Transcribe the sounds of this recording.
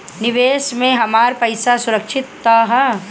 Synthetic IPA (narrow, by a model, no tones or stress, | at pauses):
nɪʋeːʃmẽɦɐmaːɾpɐjsasʊɾɐkʃʰɪt̪ːɐɦɐ